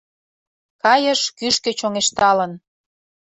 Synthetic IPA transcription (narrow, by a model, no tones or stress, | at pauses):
kɑjəʃkyʃkø̆t͡ɕoŋeʃt̪ɑlən